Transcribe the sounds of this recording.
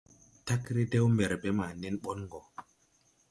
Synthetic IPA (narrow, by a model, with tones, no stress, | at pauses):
ta˦kɾe˦de˦wme˨ɾbe˦ma˨ne˦nɓo˦nŋɡɔ˨